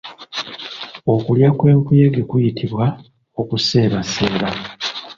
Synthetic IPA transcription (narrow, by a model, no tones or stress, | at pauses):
o̞kuljakwe̞ːŋkujeɡekujitʰiβwa | o̞kuse̞ːβase̞ːβa